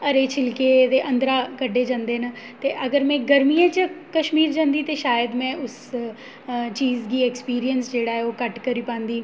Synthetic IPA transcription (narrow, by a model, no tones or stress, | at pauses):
ɐɾet͡ʃʰɪlked̪eːʔɐ̃nd̪ɾakəɖeːd͡ʒãːnd̪eːnə | t̪eːʔɐɡəɾmɛ̃ːɡəɾmijẽt͡ʃəkɐʃmiːɾd͡ʒãːnd̪iːt̪eʃaːjəd̪mɛ̃ːʔʊs | t͡ʃiːzkiːekspiːɾijənsd͡ʒeːɽaːɦɛoːkɐʈkəɾiːpãːnd̪iː